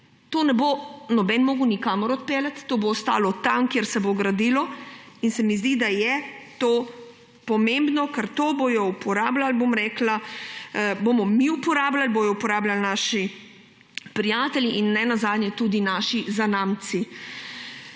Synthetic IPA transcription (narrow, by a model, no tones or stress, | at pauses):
t̪oːnɛbonɔbɛnmoːɡunikaːmɔɾɔt̪̚peːlat̪ːoːboːst̪a̰ːlɔt̪amkjeɾsɛboɡɾad̪iːlɔinsɛmizd̪id̪ajɛt̪oː | pɔmẽmbnɔkɛɾt̪obojɔupʰɔɾaːblalbomɾɛːkla | boːmɔmiupɔɾaːblalbojɔupɔɾaːblalnaːʃi | pɾijaːt̪ɛljiʔinːɛnazaːd̪nʲjɛt̪ud̪inaːʃizanamt̪si